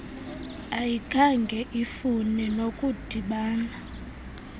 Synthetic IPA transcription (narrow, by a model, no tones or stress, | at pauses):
ajikʰaŋɡʱɛʔifunɛnokʼud̥ʱiɓaːna